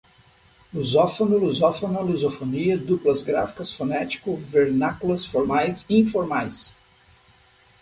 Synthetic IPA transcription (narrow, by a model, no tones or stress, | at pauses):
luzɔfonʊluzɔfonɐluzofoniɐd̪uplɐzɡɾa̰fi̥kɐsfonɛt͡ʃi̥kʊveɾnakulɐsfoɾmajsĩfoɾmajs